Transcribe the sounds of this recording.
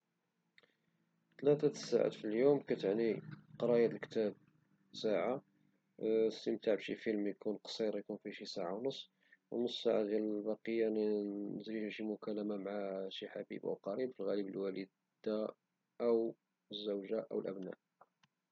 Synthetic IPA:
t̪læt̪æsa̰ʕa̰t̪filjumkæt̪əʕniqɑɾˤɑjæt̪əlkt̪æb̚ | saʕa | st̪əmt̪aʕbʃifilmjkunqsˤiɾjkunfiʃisaʕawnəsˤː | wə̰nəstsaʕad̪jæləlbɑqəjːanzɾihæʃimʊkæləmamʕaʃiħabḭbʔæ̰wqɑɾibfilɣælibəlwæli | d̪a | ʔəw | əzːəwʒaʔə̰wəlʔə̰bnæ̰ʔ

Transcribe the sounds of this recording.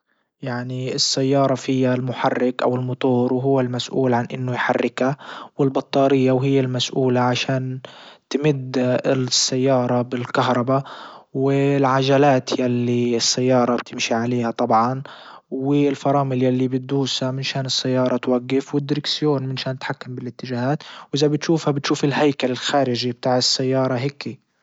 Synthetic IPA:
jaʕniɪsːajːɑːɾˤɑfɪjːalmʊħarːɪkʔawɪlmʊt̪ˤuːɾwɦʊwːalmasʔuːlʕanʔɪnːʊjħarːɪkawɪlbɑt̪ˤːɑːɾɪjːawɦɪjːalmasʔuːlaʕaʃaːnt̪mɪd̪ːɪsːajːɑːɾˤɑbɪlkaɦɾˤɑbawɪlʕaʒalaːt̪jalːiɪsːajːɑːɾˤɑb̥t̪ʰɪmʃiʕaleːhat̪ˤɑbʕɑn | wɪlfɑɾˤɑːmɪljalːibɪt̪̚d̪uːshamɪnʃaːnɪsːajːɑːɾˤɑt̪waɡːɪfwɪd̪ːɪɾɪksɪjoːnmɪnʃaːnt̪ħakːambɪlɪt̪ːɪʒaːhaːt̪wʔɪzabɪt̪ʃuːfhabɪt̪ʃuːfɪlhajkalɪlxaːɾɪʒib̚t̪aːʕɪsːajːɑːɾˤɑɦeːkːi

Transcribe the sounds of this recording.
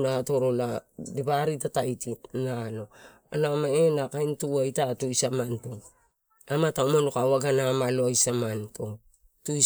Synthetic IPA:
nato̞ɾoladiβaɾitatajtinalo̞ | anamaenakajntuajtatuisamanto | amataumonokawaɡanamaloajsamantʰo | tui

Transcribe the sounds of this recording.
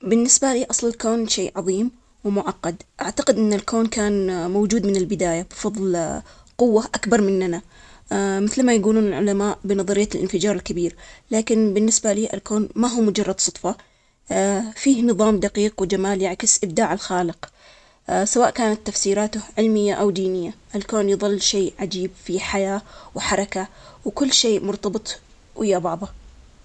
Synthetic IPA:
bɪnːɪsbaliːʔɑsˤlɪlkoːnʃeːʔʕɑðˤiːm | wɪmʊʕɑqːɑd̪ʔaʕt̪aqɪd̪ʔɪnːalkʰoːnkaːnmowd͡ʒuːd̪mɪnɪlbɪd̪aːjabfɑðˤlqʊwːaʔakbɑɾˤmɪnːana | mɪθlmajaɡuːluːnɪlʕʊ̰lamaːʔbɪnɑðˤɑɾɪjːalʔɪ̰nfɪd͡ʒɑːɾˤɪlkabiːɾlaːkɪnbɪnːɪsbaliːʔɪ̰lkoːnmaɦuːmʊd͡ʒɑrˤːɑd̪sˤʊt̪ˤfɑ | fiːhnɨðˤɑːmd̪aqiːqwɪd͡ʒamaːljaʕkɪsʔɪb̚d̪aːʕalxaːlɪq | sawaːʔkaːnat̪ːafsiːɾaːt̪ʊhʕɪlmɪjːaʔawd̪iːnɪjːaʔalkoːnjðˤɨlːʃeːʕad͡ʒiːbfiħajaːwħɑɾˤɑkawkʊlːʃeːmʊɾt̪ɑbɨt̪ˤ | wʔɪjːabɑʕðˤɑ

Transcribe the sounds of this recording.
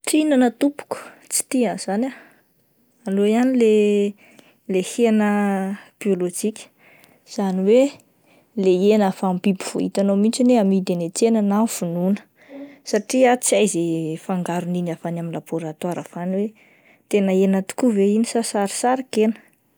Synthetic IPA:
ʈ͡ʂinanət̪upu̥kə̥t͡si̥t̪iaz̥anʲa | alojanile | lehenəb̥iolod͡ʒikʲə̥ | z̥aniwe | leenafampibiv̥o̰ḭt̪anomint͡ʃineamid̪enet̪enənafununə̥ | saʈ͡ʂiat͡siajzefaŋɡaɾuninafanaminlaboɾat̪waɾafaniwe | t̪enəenət̪u̥kuveinisasaɾi̥saɾikenə̥

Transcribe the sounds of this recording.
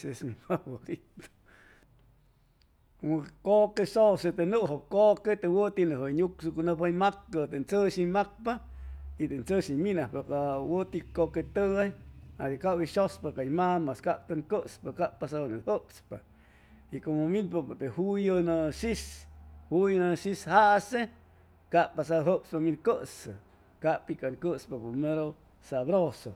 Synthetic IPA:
sesnipawolit̪o̥ | mokokesoset̪enuʔɦokoket̪ewət̪inəɦəɲuksukonəpajmakkət̪ent͡səʃimak̚pait̪ent͡səʃiminahpakawət̪ikoket̪əajad̪ikawiʃospakajmamaskap̚t̪ɨŋkəspakaʔpasanahəpspa | ikomominpapt̪ehujənəʃishujnəʃishaʔse | kapasaɦəpspaminkəsɨ̰ | kaʔpikaŋkəspapumeɾo | saβɾoso

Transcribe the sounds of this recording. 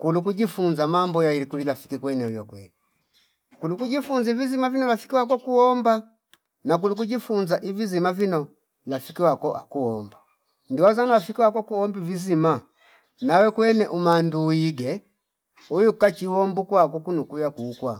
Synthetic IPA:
kulukuɟifunzamambɔjaiɾikulilafi̥kikwɛnɛujɔkwɛ̰li | kulukuɟifunzavizimavinɔlafi̥kiwak̬ɔkuɔmba | nak̬uluk̬uɟifunzaʔivizimavinɔ | lafikiwakɔʔa̰kuɔmba | ndiwazanalafikiwakɔkuɔmbivizima | nawɛkwɛnɛʔumanduiɡɛ | ujukat͡ʃiwɔmbukwakukunukujakuːkwa

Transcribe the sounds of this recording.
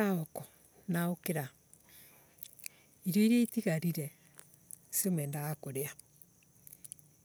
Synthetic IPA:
aɔkɔ | naokeɾa | iɾjoiɾeitiɣaɾiɾɛ | semwɛːndaɣakoɾea

